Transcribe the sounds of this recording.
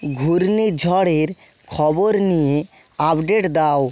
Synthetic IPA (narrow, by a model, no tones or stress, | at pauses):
ɡʱuɾnid͡ʑʱɔɽeɾ | kʰɔboɾnijeapɖeʈd̪aw